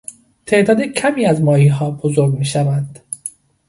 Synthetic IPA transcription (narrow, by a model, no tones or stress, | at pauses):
t̪ʰe̞ʔd̪ɒːd̪ecʰæmiːæzmɒːhiːɦɒːbozoɾɡmiːʃævænd̪̥